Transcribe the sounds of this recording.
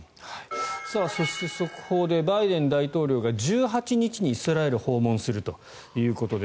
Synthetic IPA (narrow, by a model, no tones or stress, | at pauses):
haisaːso̞ɕi̥t̪e̞so̞kʰo̞d̪e̞baid̪ẽ̞nd̪ait̪o̞ːɾʲo̞ːɡad͡ʑɨːɦat͡ɕiɲ̟it͡ɕiɲ̟iːsɨɾae̞ɾɯ̟ho̞ːmõ̞ɰ̃sɨɾɯ̟t̪o̞ | jɯ̟ːko̞t̪o̞d̪e